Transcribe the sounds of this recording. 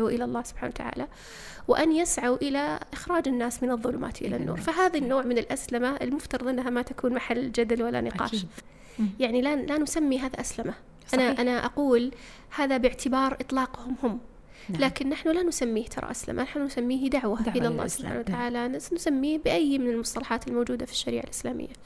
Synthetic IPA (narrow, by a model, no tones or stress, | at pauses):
uʔɪlalˤːɑːhsʊ̥b̥ħaːnawat̪aʕa̰ːla | wɪʔanjɪsʕawʔɪlaʔɪxɾˤɑːd͡ʒɪnːaːsmɪnɨðˤːʊlʊ̰mʔa̰ːt̪ʔɪ̰la̰nːṵːɾˤfaɦaːðinːoːʕmɪnɪlʔaslɪmaɪlmʊft̪ɑɾˤɑðˤʔɪnːɦamat̪akuːnmaħalːd͡ʒad̪alwalːa̰nɪqɑ̰ːʃ | jaʕnilalanʊsamːiɦaːðaʔaslɪma | ʔanaʔanaʔaquːl | haːðabɪʕt̪ɪbɑːɾˤʔɨt̪ˤlɑːqhʊmhʊmː | laːkɪnːaħnulanʊsamːiːht̪ʰɑ̰ɾˤɑ̰ʔaslɪ̰mʔa̰naħnunʊsamːiːhd̪aʕwaɪnɑlˤːɑ̰ːhsʊb̥ħa̰ːnawat̪aʕaːlaʔnsansamːiːhbɪʔajːmɪnɪlmʊsˤt̪ɑlɑħɑːt̪ɪlmoːd͡ʒuːd̪afi̥ʃːaɾḭːʕa̰lʔɪslaːmɪ̰jːa